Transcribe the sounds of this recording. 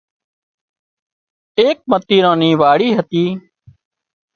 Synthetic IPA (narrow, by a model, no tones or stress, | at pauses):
eːk̚mət̪iːɾãːnĩːʋaːɽiːɦət̪iː